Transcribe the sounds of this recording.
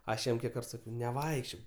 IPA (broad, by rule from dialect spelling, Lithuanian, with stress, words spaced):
ˈɐʃ ˈjɛm ˈkʲiɛk ˈkɐrt ˈsɑːkʲɛʊ nʲɛˈʋɐɪkʃʲt͡ʃʲoːk